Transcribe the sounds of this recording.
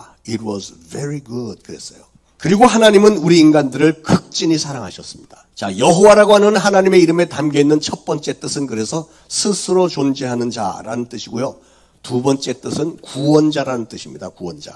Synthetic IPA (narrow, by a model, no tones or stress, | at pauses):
it̚wʌz | veɾiɡud̚kɯɾe̞s͈ʌjo | kɯɾiɡoɦanaɲimɯnuɾiːnɡandɯɾɯɭkɯk̚t͡ɕ͈iɲisʰaɾaŋɦaɕʰʌs͈ɯmɲid̥ḁt͡ɕajʌɦowaɾaɡoɦanjʌnɦanaɲime̞iɾɯme̞tamɡeinːɯnt͡ɕʰʌt̚p͈ʌnt͡ɕ͈e̞t͈ɯsʰɯnkɯɾe̞sʰʌ | sʰɯsʰɯɾot͡ɕond͡ʑe̞ɦanɯnd͡ʑa̰ɾa̰nɯnt͈ɯɕʰiɡojo | tubʌnt͡ɕ͈e̞t͈ɯsʰɯnkuwʌnd͡ʑaɾanɯnt͈ɯɕʰimɲida̰kuwʌnd͡ʑa̰